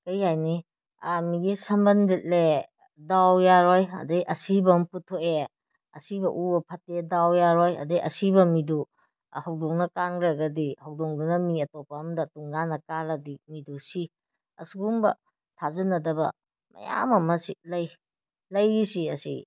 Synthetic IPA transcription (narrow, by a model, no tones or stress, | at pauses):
kɐjhajni | amiɡisɐmbɐndit̚le | dawjaɾɔjɐ̰dejʔɐsibɐmputʰoʔe | ɐ̰sibɐʔubɐpʰɐtedawjaɾɔjɐ̰dejɐ̰sibɐmidu | hɐwdoŋnɐkaŋɾɐɡɐdihɐwdoŋdunɐmiɐtɔpɐːmdɐtuŋnanɐkalɐdimidusi | ɐ̰suɡumbɐ̰ | tʰazɐnɐdɐbɐ̰ | mɐ̰ja̰mɐmɐsilɐj | lɐjisiɐsḭ